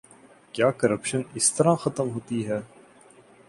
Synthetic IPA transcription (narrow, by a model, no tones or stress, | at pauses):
kjaːkɐɾəpʃənɪst̪ɐɾãxɐt̪əmɦoːt̪iɦɛː